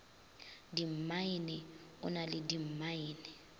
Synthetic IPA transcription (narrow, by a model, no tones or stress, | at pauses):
dim̩mainɪʊ̰nalɪdim̩maiːnɪ